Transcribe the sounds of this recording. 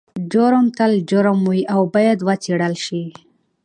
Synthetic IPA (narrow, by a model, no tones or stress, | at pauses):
d͡ʒoɾəmt̪ald͡ʒoɾəmwiʔawbɑjad̪wət͡seɽəlʃi